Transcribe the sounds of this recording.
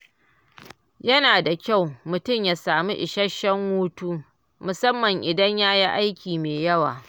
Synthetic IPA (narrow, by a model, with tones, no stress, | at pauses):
jɐ˦naː˨da˨kʲa˦˨wmʊ˨tʊ˦˨mjaː˨saː˨mu˦ʔɪ˨ʃɐ˦ʃːɐ˦ŋwuː˦tuː˦ | mʊ˨sɐ˦mːɐ˨ŋʔɪ˨dɐ˦ɲjaː˦ji˦ʔa˦jkʲiː˨meː˨jɐ˦wa̰ː˨